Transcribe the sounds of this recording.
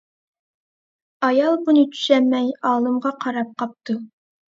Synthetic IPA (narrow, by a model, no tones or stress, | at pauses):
ɑjɑlˠbunɨt͡ʃʰy̥ʃɛmːɛjɑːlˠɨmʁɑqʰɑɾɑp̚qʰɑp̚t̪ʰu